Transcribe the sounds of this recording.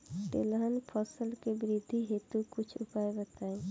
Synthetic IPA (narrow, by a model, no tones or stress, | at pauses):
ʈḛlɦənpʰɔsəlkebɪɾɪd̪ʱːiɦeːt̪ukʊt͡ʃʰʊpaːebət̪aːẽ